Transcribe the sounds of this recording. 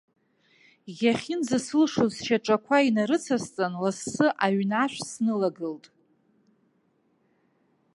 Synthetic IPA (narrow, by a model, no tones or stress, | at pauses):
jʲaχʲɪnzasɨlʂozʃaʈ͡ʂʼakʷʰainaɾɨt͡sʰast͡sʼanlasːɨʔaɥnaʃʷᶣsnɨlaɡɨltʼ